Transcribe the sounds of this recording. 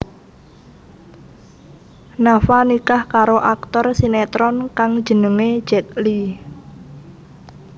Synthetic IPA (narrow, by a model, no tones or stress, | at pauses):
nafanikahkaɾoʔak̚t̪ɔrsinet̪ɾɔnkaŋ̥ʒ̥ə̤nəŋe̥d͡ʒ̥ɛk̚li